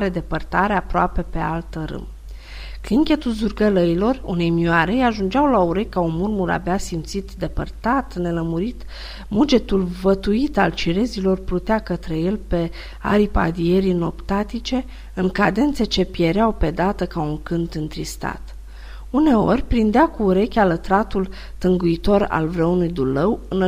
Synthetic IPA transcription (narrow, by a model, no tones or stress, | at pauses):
ɾe̞d̪e̞pərt̪aɾeapɾoape̞pe̞alt̪əɾɨ̰m | kliŋkʲe̞t̪ulzurɡələilo̞rṵne̞jmioaɾejaʒund͡ʒawlauɾejkaunmurmuɾa̰beasimt̪sit̪d̪e̞pə̰rt̪at̪ne̞ləmuɾit̪ | mud͡ʒe̞t̪ulvət̪uit̪alt͡ʃiɾe̞zilo̞rpɾut̪eakət̪ɾe̞je̞lpe̞ | a̰ɾipa̰d̪ie̞ɾino̞pt̪at̪it͡ʃe̞ | ɨŋkad̪e̞nt̪se̞t͡ʃe̞pje̞ɾeawpe̞d̪at̪əkauŋkɨnt̪ɨnt̪ɾist̪a̰t̪ | une̞o̞̰rʲpɾind̪eakuːɾe̞kʲalət̪ɾat̪ul | t̪ɨŋɡuit̪o̞ɾa̰lvɾeunujd̪uləwɨn